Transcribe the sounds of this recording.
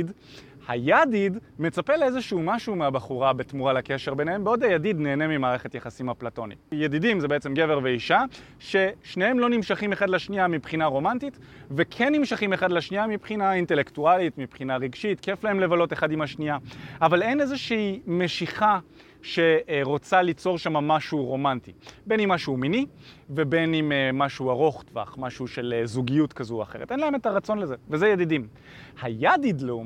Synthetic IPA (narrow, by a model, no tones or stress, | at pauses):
d | hajadidme̞t͡sape̞leezeʃuːmaʃuːmeabaχuʁabetmuʁalake̞ʃe̞ʁbe̞nehembeo̞dajadidne̞ːnemimaːʁeχe̞tjaχasimhaplato̞nḭjedidimzebeet͡se̞mɡe̞veʁveiʃa | ʃe̞ʃnehemlo̞nimʃaχime̞χadlaʃniamipχinaʁo̞mantit | vekʰenːimʃaχimeχadlaʃniamipχinainte̞lektualitmipχinaʁiɡʃitke̞flahemlevalo̞te̞χadimaʃniaʔavale̞nezeʃiimeʃiχa | ʃe̞ʁo̞t͡salit͡so̞ʁʃamamaʃuʁo̞mantibe̞nimːaʃumini | ve̞be̞nimmaʃuaʁo̞χtva̰χmaʃuʃe̞lezuɡijutkazua̰χe̞ʁ̞etʔenlae̞metaʁat͡so̞nlezevezejadidim | hajadidleu